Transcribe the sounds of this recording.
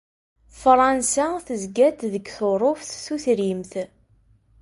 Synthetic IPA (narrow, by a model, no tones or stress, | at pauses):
fɾˤɑnsæθəzɡæd̪ðəɡθoɾˤofθθuθɾimθ